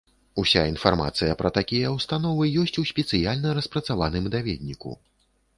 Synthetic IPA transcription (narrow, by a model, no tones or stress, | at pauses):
usʲainfarma̰t̪sɨjɐpɾɐt̪akʲijɐwst̪anɔvɨjɔsʲt͡sʲusʲpʲɛt̪sɨjalʲnɐɾɐspɾɐt̪savanɨmd̪avʲɛd̪ʲnʲikṵ